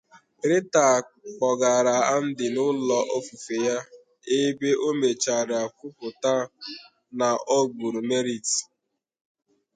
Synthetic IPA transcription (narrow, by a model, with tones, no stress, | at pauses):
ɾɪ˦ta˨ | k͡pɔ˨ɡa˨ɾa˨a˦n̩˦dɪ˨nʊ˦lɔ˦ʔɔ˦fu˨fe˨ja˦ | e˦be˦ʔo˦me˨t͡ʃa˨ɾɪ˨a˨kʷʊ˦pʊ˨ta˦ | na˨ɔ˦ɡ͡bu˨ɾu˨me˦ɾi˨ti̥˨